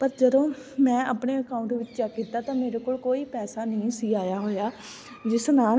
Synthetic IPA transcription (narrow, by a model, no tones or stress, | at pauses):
pəɾd͡ʒəd̪õːmɛ̃ːapɳeːəkaːʊɳʈʋɪt͡ʃd͡ʒaːkiːt̪aːt̪ãːmeːɾeːkoːlkoːiːpɛːsaːnəĩːsiːaːjaːɦoːjaː | d͡ʒɪsnaːl